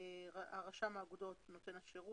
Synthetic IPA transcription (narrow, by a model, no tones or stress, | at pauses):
aaʁaʃamaaːɡudo̞tno̞t̪e̞netʃeʁu